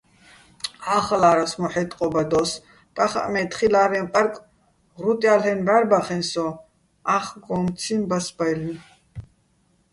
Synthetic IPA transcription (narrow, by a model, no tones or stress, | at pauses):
aχalaːɾasmɔħɛt̪ʼqʼɔbad̪ɔs | pʼaχa̰ʔmɛt̪ʰχilaːɾɛmpʼaɾkʼ | ɾut̪ʼjalɛnbæɾbaχɛnsɔ | aχɡɔmt͡sʰimbasbajln